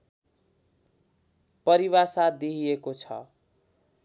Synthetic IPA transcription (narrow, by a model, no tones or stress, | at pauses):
pʌɾiβasad̪iɦijekot͡sʰʌ̰